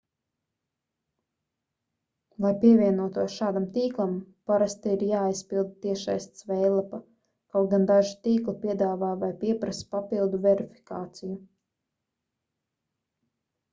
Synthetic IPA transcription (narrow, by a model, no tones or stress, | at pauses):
lˠajpiɛvʲiɛnuɔt̪uɔʃaːd̪amt̪iːklˠampaɾast̪aiɾjaːjspilˠd̪̚t̪iɛʃajst̪svɛjlˠapa | kawɡand̪aʒit̪iːklˠipʲiɛd̪aːvaːvajpiɛpɾaspapilˠd̪uvʲɛɾifʲi̥kaːt̪siju